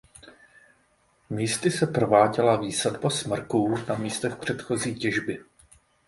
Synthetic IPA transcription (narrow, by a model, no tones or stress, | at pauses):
miːst̪ɪsɛprovaːɟɛlaviːsadbasmr̩kuːnamiːst̪ɛxpr̝̥ɛt̪xo̞ziːcɛʒbɪ